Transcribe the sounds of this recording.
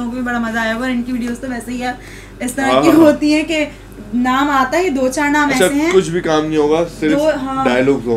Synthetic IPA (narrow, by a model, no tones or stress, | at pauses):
oːɡbʱibɐɽamɐzaaːjaɡɔːɾɪ̃nkiʋiːɖijoːst̪oʋɛːseɦiaːp | ɪst̪ɐɾajiɦoːt̪iɦɛ̃ke | naːmaːt̪aɦid̪oːt͡ʃaːɾnãːmɐɛːaeɦɛ̃kʊt͡ʃʰbʱikaːmnɐɦĩɦoːɡasɪɾoɦãːɖaːjlɔːɡzoː